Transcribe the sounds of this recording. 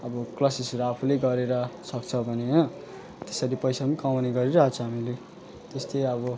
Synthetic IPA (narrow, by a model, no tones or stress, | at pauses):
ʌbʌklʌsisɾaapʰuleɡʌɾeɾʌsʌkt͡sʰʌbʱʌne | t̪esʌɾipʌjsamikawneɡʌɾiɾʌɦat͡sʰʌɦamile | t̪est̪ʌjʌβʌ